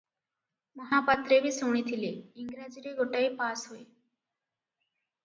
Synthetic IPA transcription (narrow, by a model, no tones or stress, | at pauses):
məɦapat̪ɾeʋiːsoɳ̃iːt̪ʰileiŋɡɾad͡ʑiɾeɡʱoʈaepasɦoe